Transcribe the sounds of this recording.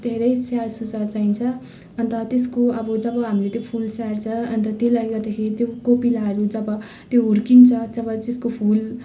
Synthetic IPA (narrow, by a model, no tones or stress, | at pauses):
d̪ʱeɾʌjsarsut͡sat͡saint͡sʰʌ | ʌnt̪ʌt̪eskoʌbʌd͡zʌbʌɦamilet̪jopʰulsart͡sʰʌʌnt̪ʌt̪jelajɡʌrd̪akʰeɾit̪jokopilaʌɾud͡zʌbʌ | t̪joɦuɾkint͡sʰʌd͡zʌbʌteskopʰul